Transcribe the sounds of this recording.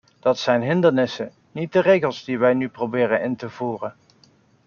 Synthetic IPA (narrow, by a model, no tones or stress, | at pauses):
d̥ɑtsɛjnɦɪndəɹnɪsə | nit̚dərejɣəlˠzdiʋɛjnyprowbɪːɾənɪntəvuːrən